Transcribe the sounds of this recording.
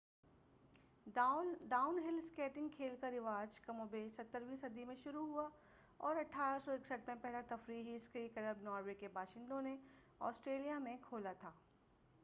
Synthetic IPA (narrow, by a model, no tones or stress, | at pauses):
ɖaːʊnɦɪlskɛːʈɪ̃ŋɡkʰeːlkaɾɪʋaːd͡ʒkɐmõbeːsɐt̪ːəɾʋĩːsɐd̪ʱimẽʃʊɾuɦua | ɔːɾɐʈʰaːɾasɔɪksəʈmẽpɛɦlat̪ɐfɾiːɦiskikɐɾəbnɔːɾʋekebʱaːʃɪ̃nd̪õne | ɔ̰ːsʈɾeːlijamẽkʰoːlat̪ʰaː